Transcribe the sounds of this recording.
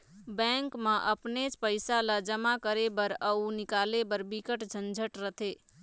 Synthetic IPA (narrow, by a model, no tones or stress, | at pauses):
bɛ̃ːŋkmãʔəpnet͡ʃpəɪsalad͡ʒəmakəɾebəɾəunɪkaːlebəɾbɪkəʈd͡ʒʱənd͡ʒʱəʈɾət̪ʰeː